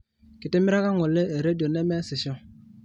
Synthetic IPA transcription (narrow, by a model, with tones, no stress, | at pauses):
ki˨te˦mi˦ɾa˦ka˦ŋo˨lːe˦e˨ɾe˦do˨nɛ˦mɛ˦si˨sɔ˦